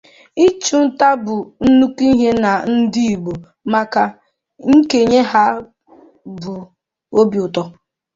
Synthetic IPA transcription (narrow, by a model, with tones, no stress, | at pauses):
i˦t͡ʃu˨n̩˦ta˦bʊ˨n̩˦nu˦ki˦ɦe˦na˨n̩˦di˦i˨ɡ͡bo˨ | ma˨ka˨ | ŋ̩˦ke˨ɲe˦ɦa˦ | bʊ˨ | o˦bjʊ˨tɔ˦